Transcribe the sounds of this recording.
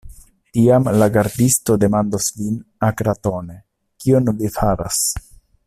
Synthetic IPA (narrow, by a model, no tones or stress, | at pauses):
tiamlaɡaɾdisto̞de̞mandoslinakɾato̞ne̞ | kionvifaɾa̰s